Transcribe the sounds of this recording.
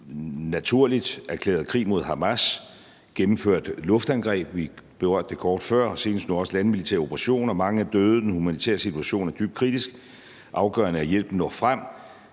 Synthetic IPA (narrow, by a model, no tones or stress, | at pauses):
næt͡sʰuɐ̰lid̥æɐkʰlḛːɐðˠkʰʁḭːmo̝ð̞̰ˠɦɑ̈mæs | ɡ̥emm̩føɐ̰d̥lɔ̽fd̥ænɡ̥ʁɛ̰ːb̥ʋib̥e̝ʁɶɐ̰d̥ːekʰɒːd̥fɶɐ̰se̝ːnəsd̥nuɒ̽səlænmilit͡sʰḛɐo̝pʰʁɑɕo̝̰ːnɒ̽mɑ̈ŋəæd̥øːð̞̩ˠd̥enhumænit͡sʰɛ̰ːɐsit͡sʰuæɕo̝̰ːnæɐd̥yb̥̚kʰʁid̥isɡ̥ | ʔɑ̈ʊɡ̥ɶːɐnəæjel̰b̥n̩ːɒ̰ːfʁam̰